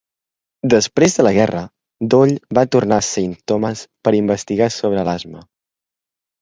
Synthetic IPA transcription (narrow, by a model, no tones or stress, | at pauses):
d̪əspɾezðələɣɛrə | d̪oʎβat̪urnasint̪oməspəɾimbəst̪iɣasoβ̞ɾəːlazmə